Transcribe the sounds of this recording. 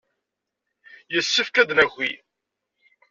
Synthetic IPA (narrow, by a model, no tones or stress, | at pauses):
jəsːəfkæd̪læxʷḭ